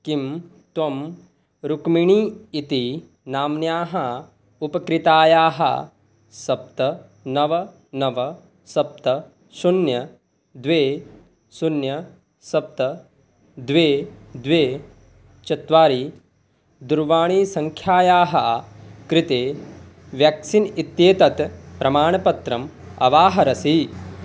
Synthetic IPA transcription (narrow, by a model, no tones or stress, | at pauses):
kim | t̪ʋɐm | ɾukmiɳiːit̪i | naːmnjaːɦɐ | upɐkɾɪt̪aːjaːɦɐ̰ | sɐp̚t̪ɐ | nɐʋɐ | nɐʋɐ | sɐp̚t̪ɐ | sunjɐ | d̪ʋeː | sunjɐ | sɐp̚t̪ɐ | d̪ʋeːd̪ʋeː | t͡ʃɐt̪ʋaːɾiː | d̪uɾʋaːɳiːsɐŋkʰjaːjaːɦɐkɾɪt̪eː | ʋjɐksinit̪jeːt̪ɐt̪pɾɐmaːɳɐpɐt̪ɾɐmɐ̰ʋaːɦɐɾɐsi